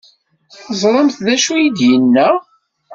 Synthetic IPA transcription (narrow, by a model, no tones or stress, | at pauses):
θəzˤɾˤəmθðæʃujid̪jənːæ